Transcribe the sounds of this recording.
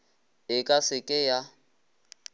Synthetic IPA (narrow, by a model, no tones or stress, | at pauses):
ɪkʼasɪkʼɪja